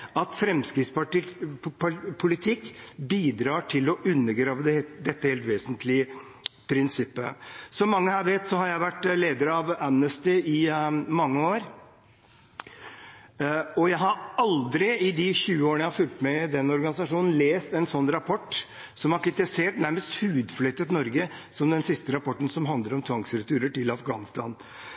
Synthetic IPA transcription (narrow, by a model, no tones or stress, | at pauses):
ɑt̪fɾɛmskɾɪt̪spɑʈ | pʰʊlɪt̪ʰɪkːbiːd̪ɾɑːʈʰɪlɔʔʉnːəɡɾɑːʋəd̪ɛd̪ɛt̪ːəheːlt̪ʋeːsənt̪lɪə | pʰɾɪnsɪpːə̰sɔmːɑŋːəhæːɾʋeːt̪sɔhɑɾjæɪʋæʈːleːd̪əɾɑʋæmnəst̪ɪɪmɑŋːəoːɾ | ɔjæɪɦɑɾɑld̪ɾɪɪd̪ɪçʉːəoːəɳəjæɪhɑfʉlt̪mɛd̪ɛnːɔɾɡɑnɪsɑʂuːnn̩leːst̪ɛnsɔnːɾɑpʰɔʈː | sɔmhɑɾkɾɪt̪ɛseːʈnæɾməst̪hʉːd̪flœt̪ːət̪nɔɾɡəsɔmd̪ɛnsɪst̪əɾɑpɔʈːən̩sɔmɦɑnd̪ləɾɔmt̪ʰʋɑŋsɾɛt̪ʰʉːɾəʈɪlɑfɡɑ̰ːnɪst̪ɑ̰ːn